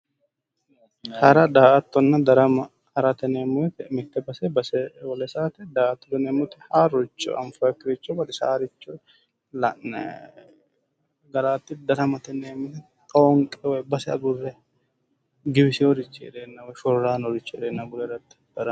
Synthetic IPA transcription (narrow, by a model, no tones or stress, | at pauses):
hɐɾɐd̪aːʔɐt̪ːɔnːɐd̪ɐɾɐmɐ | ɐɾɐt̪ɛneːmːʊɛt̪ɛmɪt̪ːɛbɐsɛbɐsɛwɔlɛsaːt̪ɛd̪aːʔɐt̪ːɔd̪ɛneːmːʊt̪ɛhaːɾʊt͡ʃːɔ̰ɐ̰mfɐkːɪɾɪt͡ʃːɔbɐd̪ɪsa̰ːɾɪt͡ʃːɔ | lɐ | ɡɐlaːt̪ːɪd̪ɐɾɐmɐt̪ɛneːmːʊt̪ɛ | t̪ʼɐɔŋkʼɛwɔjbɐsɛɐɡʊrːɛ | ɡɪbɪsɪɔɾɪt͡ʃːɛɛ̰d̪eːnːɐwɔjʃɔɾɾaːnɔɾɪt͡ʃːɔɛɾeːnːɐɡʊlɛɾɐt̪ːɪ̥d̪̥ɐɾɐ